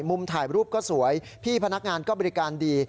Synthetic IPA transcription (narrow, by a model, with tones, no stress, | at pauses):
mu˧mt̪ʰaː˨˩jɾuː˥˩p̚kɔː˥˩su˩˦əj | pʰiː˥˩pʰa˧na˦˥k̚ŋaː˧nkɔː˥˩bɔː˧ɾi˦˥kaː˧ndiː˧